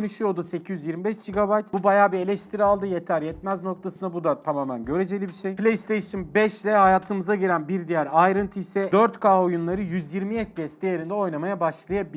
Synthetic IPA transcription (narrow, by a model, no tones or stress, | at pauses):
ønyʃyjo̞d̪use̞cʰijyzjiɾmibɛʃd͡ʒiɡabajt̪b̥ubajaːbie̞lʲɛʃt̪ʰiɾialˠd̪ɯjeæɾjɛt̪mæzno̞k̚t̪ʰasɯnabud̪at̪ʰamaːmænɟø̞ɾe̞d͡ʒe̞lʲibiʃejplʲejst̪ʰejʃɯnbɛʃlʲɛhajaːt̪ʰɯmɯzaɟiɾænbiɾd̪ijæɾajɾɯnt̪ʰɯisɛd̪øɾt̪kʰaːo̞junlˠaɾɯjyzjiɾmijɛt̪̚ɟɛst̪ijeɾind̪ɛo̞jnamajabaʃlˠajabi